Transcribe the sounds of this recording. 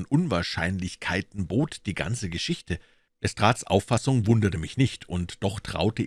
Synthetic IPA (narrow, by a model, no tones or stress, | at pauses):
nʔʊnvaːɐʃaɪnlɪçkʰaɪtn̩boːtd̥iːɡa̰nt͡səɡəʃɪçtʰə | d̥ɛstʁ̥aːtt͡sʔa̰ʊfːasʊŋvʊndɐtəmɪçnɪçtʰʊntd̥ɔχtʁ̥a̰ʊtə